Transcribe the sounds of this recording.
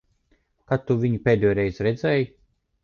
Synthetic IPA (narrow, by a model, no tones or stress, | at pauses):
kat̪ːuvʲiɲipʲeːd̪ʲɛjɾɛjzɾɛd̪zʲɛj